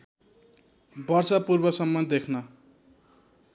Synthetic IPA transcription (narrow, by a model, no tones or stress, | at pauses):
bʌrsʌpurbʌsʌmːʌd̪ekʰnʌ